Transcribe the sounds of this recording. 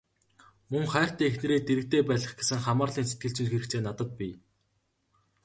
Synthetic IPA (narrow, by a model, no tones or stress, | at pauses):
mɵŋχæːr̥t̪æːexnĕɾeːt̪eɾɘ̆k̚t̪eːpæːɮə̆χɡesɘ̆ŋχamaːrɮiːns̬e̥t̪̚ɡɘ̆ɬt͡ɕĭnxeɾɘ̆kt͡seːnat̪ə̆t̪̚pi